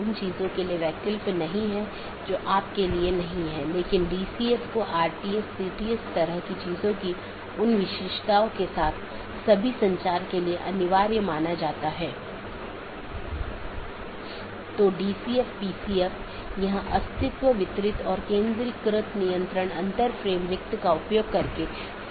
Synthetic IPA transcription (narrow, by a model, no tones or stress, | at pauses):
ʊnt͡ʃiːzõkelieʋɛːkɪlpenɐɦĩɦɛ | d͡ʒoːʔaːp̚kelienɐɦĩɦɛːleːkɪnɖiːsiːefkoʔaːɾʈiːesːiːʈiːest̪ɐɾəɦkit͡ʃiːzõki | ʊnʋɪʃɪʃt̪aːõkesaːt̪ʰ | sɐbʱisɐ̃ɲt͡ʃaːɾkelieʔɐnɪʋaːɾjəmaːnad͡ʒaːt̪aɦɛː | t̪oːɖiːsiːeːfpiːsief | jɐɦãʔɐst̪ʰɪt̪wəʋɪt̪ɾɪt̪ɔːɾkẽːnd̪ɾikɾɪt̪nijə̃nt̪ɾəɽ̃ɐ̃nt̪əɾfɾeːmʋɪk̚t̪kaʊpjoːɡ̚kɐɾke